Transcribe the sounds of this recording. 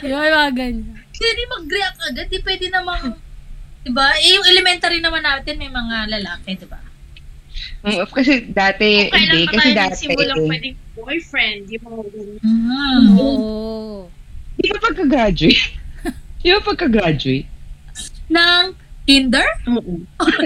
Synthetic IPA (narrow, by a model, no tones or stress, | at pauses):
ɪbaːɡɐnsɛd̪ɪmɐɡɾɛɐk̚ʔɐɡad̪̚ːɪpwɛːd̪ɪnɐmɐŋ | d̪̥ɪbaʔɛjʊŋʔɛlɛmɛnt̪ɐɾɪnɐmanːaːt̪ɪnmɐjmɐŋalɐlaːkɛd̪ɪba̰ | ʔ̩ofkɐsɛd̪aːt̪ɛʔ̪d̪ɛkɐsɛd̪aːt̪ɪmllaɛwɛd̪ɪŋbojfɹɛnd̪jʊŋmɐŋaɡɐnaa | d̪ɪbapɐɡ̚kɐɡɾad͡ʒʊet̪ | ɪbapɐɡ̚kɐɡɾad͡ʒʊejt̪̚ | nɐŋ | h̪ind̪ɛɹoʔo